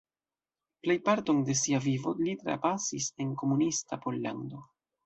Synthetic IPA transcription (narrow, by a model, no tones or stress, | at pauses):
ple̞jpaɾto̞nde̞siavivo̞litɾa̰pasise̞nko̞munistapo̞lːa̰ndo̞